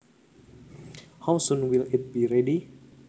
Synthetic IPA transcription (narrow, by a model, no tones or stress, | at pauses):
hawsɔ̃nwilit̪̚biɾɛdi